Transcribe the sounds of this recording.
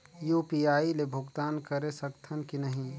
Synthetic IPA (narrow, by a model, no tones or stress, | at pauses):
juːpijaːilebʱʊɡt̪aːnkɐɾesɐkt̪ʰənkinɐɦĩ